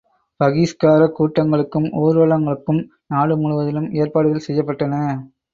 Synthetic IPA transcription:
pɐɣiskaːɾɐkːuːʈːɐŋɡɐɭɯkːɯmʔoːɾɯʋɐɭɐŋɡɐɭɯkːɯm | naːɽɯmʊɻʊʋɐðɪlɯmeːɾpaːɽɯɣɐlsɛjːɐpːɐʈːɐnɐ

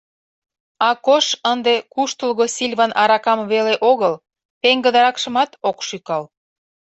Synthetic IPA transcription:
ɑkoʃənd̪ekuʃt̪əlɣosʲilʲβɑnʔɑɾɑkɑmβeleʔoɣəl | peŋɡə̆d̪ɑɾɑkʃə̆mɑt̪okʃykɑl

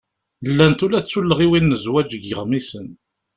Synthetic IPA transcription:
lːænt̪ulæt͡sːulːəʁiwinːəzwæd͡ʒəɡəʁmisən

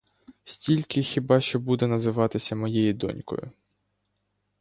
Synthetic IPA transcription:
sʲtʲilʲkɪxʲibɑʃt͡ʃɔbud̪ɛn̪ɐzɪʋɑt̪ɪsʲɐmɔjɛjid̪ɔ̰nʲkɔ̰jʊ̰

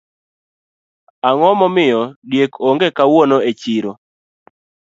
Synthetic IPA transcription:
aŋɔmɔmɪjɔdjekoŋɡekawonoet͡ʃiɾo

